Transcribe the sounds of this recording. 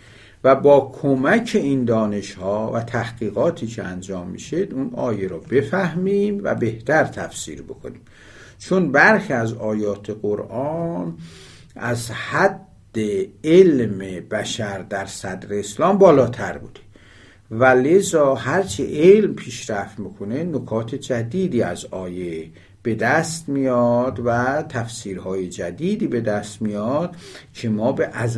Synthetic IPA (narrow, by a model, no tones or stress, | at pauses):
væbɒːkʰomæcʰe̞ind̪ɒːne̞ʃhɒːvæt̪ʰæhɡ̥iːɣɒːt̪ʰiːcʰeænd͡ʒɒːmːḭʃed̪unɒːjeɾɔːbe̞fæhmiːmvæ̰be̞ht̪ʰæɾt̪ʰæfsḭːɾbo̞kʰo̞̰niːm | t͡ʃʰonbæɾxiæzɒːjɒːt̪ʰeɡoɾʔɒn | ʔæzhæd̪ːeelmebæʃæɾd̪æɾsæd̪ɾeːslɒːmbɒːlɒːt̪ʰæɾbṵːd̪e | væle̞zɒːhæɾt͡ʃʰeʔelmpʰiːʃɾæft̪mikʰone̞nokʰɒːt̪ʰed͡ʒæd̪iːd̪iːæzɒːje | b̥e̞d̪æst̪mijɒd̪væt̪ʰæfsiːɾhɒːjed͡ʒæd̪iːd̪iːbe̞d̪æst̪mijɒd̪̥cʰe̞mɒːbeʔæz